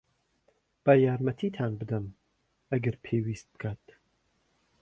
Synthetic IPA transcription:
b̥ɐjaːɾmɐt̪ʰiːt̪ʰaːnbɨd̪ɐm | ɐɡɐɾpʰeːwiːst̪̚b̥ɨ̥kʰaːt̪

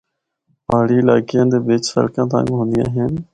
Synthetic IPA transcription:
paːɽiːla̰ːɡɪjãːd̪eːʋɪt͡ʃsə̰lkãːt̪̬ã̰ːɡɦõːnd̪ɪjã̰ːɦən

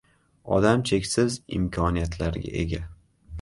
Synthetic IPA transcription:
ɒ̰d̪amt͡ʃʰe̞kʲsɪzɪ̰mkʲʰɒnijat̪ʰlaɾɡʲa̰ʔḛɡʲa

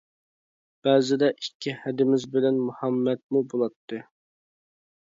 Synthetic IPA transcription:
b̥ɛːzɪd̪ɛʔikʲʰːihɛd̪ɪmɪzbɪlɛnmuhɑmːɛt̪̚mubolˠɑt̪ʰːɨ

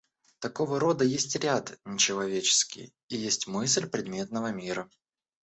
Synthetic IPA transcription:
t̪ɐko̞vəɾo̞d̪əjesʲtʲɾʲat̪nʲɪt͡ɕɪlˠɐvʲet͡ɕɪ̥skʲɪ̰j | ijesʲtʲmɨs̬ʲlʲpɾʲɪd̪̚mʲe̞t̪nəvəmʲiɾə

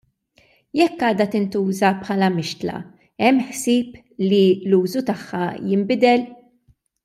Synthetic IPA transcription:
jɛkːɐːd̪ɐt̪ɪnt̪uːzɐpħɐːlɐmɪʃt̪lɐ̰ | ɛmːħsɪːp | liluːzut̪ɐħːɐjɪmbɪd̪ɛl

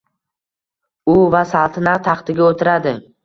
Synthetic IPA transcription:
ʊvasalˠt̪ʰɪnat̪ʰɑχt̪ɪɡʲaot̪ʰɪɾad̪ɪ

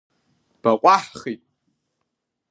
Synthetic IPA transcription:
b̥aqʷʼaħχitʼ

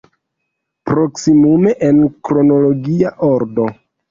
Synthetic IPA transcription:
pɾo̞ksimume̞ʔenkɾo̞no̞lo̞ɡiaʔoɾdo̞

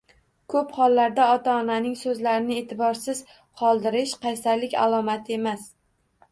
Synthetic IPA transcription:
kʰɵphɒlˠːaɾd̪aɒt̪ʰaːnanɪŋsɵzlaɾɪnɪet̪ʰɪbɒɾsɪz̥ | qʰɒlˠd̪ɪɾɪʃqʰɑjsaɾlɪkʲa̰lˠɒmat̪ʰe̞mas

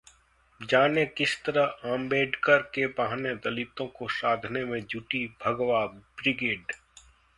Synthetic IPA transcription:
d͡ʒaːnekɪst̪əɾəɦãːmbeːɖkəɾkebaɦned̪ɐlit̪õkosaːd̪ʱnemẽd͡ʒuʈibʱɐɡwabɾɪɡeːɖ

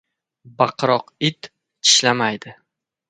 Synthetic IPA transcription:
baqɾɒqɪt̪ | t͡ʃʰɪ̥ʃlamajd̪ɪ

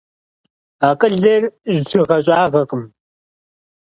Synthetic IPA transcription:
aːqʼɨɮɐrʒd͡ʒʰɨʁɐɕʼaːʁɐqʼɨm

